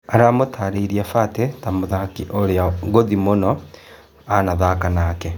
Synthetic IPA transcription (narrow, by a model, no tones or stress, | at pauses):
aɾamotʰaːɾeiɾiafatetamoðakiʔoɾeaɡoðimonɔ | anaðakanaːkɛ